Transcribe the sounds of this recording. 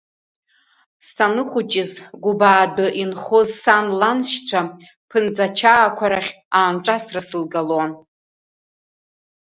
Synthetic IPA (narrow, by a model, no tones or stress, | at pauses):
sanɨχʷʊt͡ʃʼɪzɡʷubaːdɨʔinχozsanlanʃt͡ɕʷʰa | pʰɨnd͡zat͡ʃʰaːkʷʰaɾaχʲ | aːnʈ͡ʂʷʼasrasɨlɡaloan